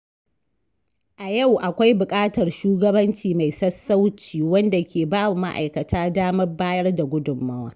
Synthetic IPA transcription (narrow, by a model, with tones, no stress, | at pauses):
ʔa˨ja˦˨wʔa˨kʷa˦jbʊ˨kʼaː˦tɐ˨rʃuː˦ɡɐ˦bɐ˦nt͡ʃiː˨ma˨jsɐ˦sːa˦wt͡ʃiː˨wɐ˦nda˨kʲeː˨baː˦bu˨ma̰˦ʔa̰˨jkɐ˨tʰaː˦daː˦mɐ˦rbaː˦jɐ˦rda˨ɡʷʊ˦dʊ˨mːɐ˦wa̰ː˨˦